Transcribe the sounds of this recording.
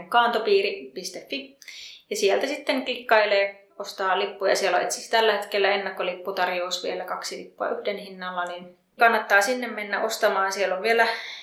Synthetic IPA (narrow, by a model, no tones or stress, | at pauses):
kɑːnt̪opiːripist̪efːijɑsielt̪æsit̪ːeŋklikːɑileː | ost̪ɑːlipːujɑ̰sielːo̰ʔḛt̪si̥st̪ælːæhet̪kelːæenːɑkːolipːut̪ɑrjousʋielækɑksilḭpːuɑ̰ʔyhdenhinːɑlːɑnin | kɑnːɑt̪ːɑːsinːemmenːæʔost̪ɑmɑːnsielːoʋʋielæ